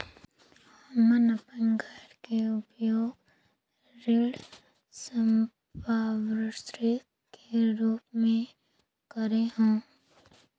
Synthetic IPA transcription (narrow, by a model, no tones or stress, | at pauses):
həmənəpənɡaʈkeʊpjoːɡ | ɾɪl | səm | paːʋɾət̪ɾi | keɾuːpmẽ | kəɾeɦõː